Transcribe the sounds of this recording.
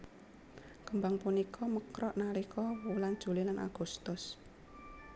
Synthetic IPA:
kəmbaŋpunikʰɔməkɾɔʔnaɾikʰɔwulan̥ʒ̥ṳlilanʔa̰ɡ̥ṳst̪ʊs

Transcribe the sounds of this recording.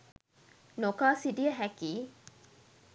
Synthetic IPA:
nokaːsidijəɦækiː

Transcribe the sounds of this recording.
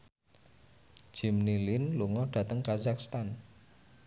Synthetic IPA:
ʒ̥i̤mnilinluŋɔɖ̥ä̤t̪əŋkazakst̪an

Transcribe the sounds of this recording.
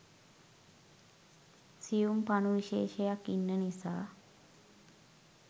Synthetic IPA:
sijumpanuʋiʃeːʃejakinːənisa̰ː

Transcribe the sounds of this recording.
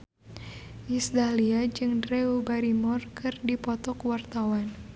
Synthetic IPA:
ʔisd̪aliad͡ʒɨŋdreubaɾimɔrkɨrdipɔt̪ɔkwart̪awan

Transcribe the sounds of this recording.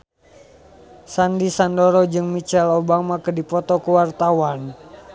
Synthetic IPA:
sandisandoɾɔd͡ʒɨŋmit͡ʃɛlobamakədipɔt̪ɔkəwart̪awan

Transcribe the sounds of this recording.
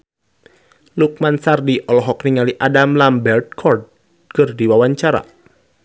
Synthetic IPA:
luk̚mansardiʔɔlɔɦɔkniŋaliʔadamlambɛrd̚kʰɔrd̚ | kɨrdiwawaɲt͡ʃaɾa̰

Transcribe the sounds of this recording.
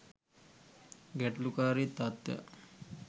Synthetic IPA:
ɡɛʈlukaːɾit̪ːat̪ːja̰

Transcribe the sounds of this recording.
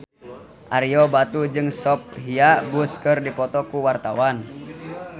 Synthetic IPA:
ʔaɾiɔbat̪ud͡ʒɨŋsɔp̚ɦiabuskərdipɔt̪ɔkuwart̪awan

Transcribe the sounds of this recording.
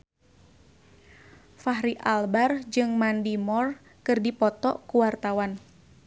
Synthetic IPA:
faɦɾiʔalbard͡ʒɨŋmandimɔr | kɨrdipɔt̪ɔkuwart̪awan

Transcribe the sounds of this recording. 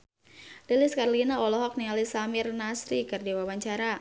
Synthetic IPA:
deliskarlinaɔlɔɦɔk̚niŋalisamirnasɾikɨrdiwawaɲt͡ʃaɾa

